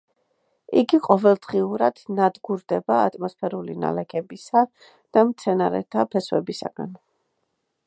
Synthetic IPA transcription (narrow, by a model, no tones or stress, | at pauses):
iɡiqʼɔvɛlˠd̪ʁiuɾad̪̥nad̪ɡuɾd̪ɛbaːt̪ʼmɔspʰɛɾulina̰lɛkʰɛbisa | d̪̥amt̪sʰɛnaɾɛ̰t̪ʰapʰɛswɛbisa̰ɡ̥a̰n